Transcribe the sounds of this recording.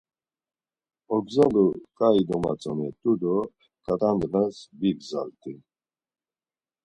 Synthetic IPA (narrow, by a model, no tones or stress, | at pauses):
ɔɡzalukʼaid̪ɔma̰t͡sʼɔnɛt̪ʼud̪ɔ | kʼat̪ʼand̪vasbiɡza̰lt̪ʼi